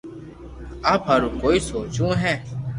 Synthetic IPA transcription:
aːpɦəɾũːkoːiːsoːt͡ʃũːɦɛ̃ː

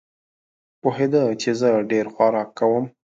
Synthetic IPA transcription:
poɦed̪ət͡ʃezəɖeɾxwaɾɑkːawəm

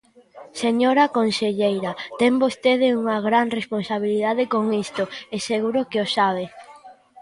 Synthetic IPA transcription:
seɲoɾakonseʎejɾɐt̪ɛŋbost̪eðɪuŋɐɣɾanresponsaβ̞iliðaðekoŋist̪ʊeseɣuɾʊkeosaβe

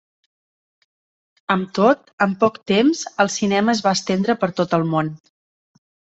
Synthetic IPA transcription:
əmt̪ot̪əmpɔkt̪emzəlˠsinɛməːzβaəst̪end̪ɾəpəɾt̪ot̪əlˠmon

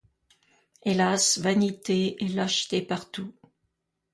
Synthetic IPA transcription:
elasvanit̪eɛlaʃt̪epaʁt̪u

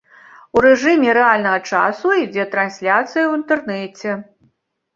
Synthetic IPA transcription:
uɾɛʐɨmʲɛɾɛalʲnɐɣɐt͡ʂa̰suid͡zʲɛt̪ɾansʲlʲat̪sɨjɐwint̪ɛrnɛt͡sʲɛ

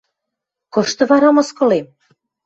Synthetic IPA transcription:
kɤ̆ʃt̪ɤ̆βɑɾɑmɤ̆skɤ̆lem

